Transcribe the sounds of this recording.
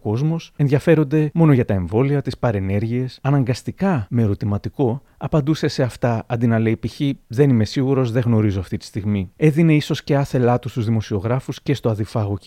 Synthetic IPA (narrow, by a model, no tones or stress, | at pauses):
ko̞zmo̞se̞nðʝɐfe̞ɾo̞nd̪e̞mo̞no̞ʝɐt̪ɐe̞ɱvo̞liɐt̪ispɐɾe̞ne̞ɾʝie̞sɐnɐŋɡɐst̪ikɐmeɾo̞t̪imɐt̪iko̞ | ɐpɐnd̪use̞se̞ɐft̪ɐɐnd̪inɐle̞ipiçiðe̞nime̞siɣuɾo̞zðe̞ɣno̞ɾizo̞ɐft̪it̪i̥st̪iɣmie̞ðine̞iso̞sce̞ɐθe̞lɐt̪ust̪uzðimo̞sio̞ɣɾɐfusce̞st̪o̞ɐðifɐɣo̞ci